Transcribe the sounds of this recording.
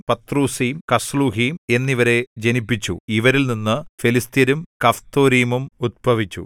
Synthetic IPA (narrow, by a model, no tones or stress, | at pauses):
pɐt̪ruːsijmkɐsluːɦijme̞nːiʋɐɾe̞d͡ʑenipːit͡ɕːṵiʋɐɾilninːɨfilist̪jɐɾumkɐft̪oːɾiːmumud̪̚bʱɐʋit͡ɕːṵ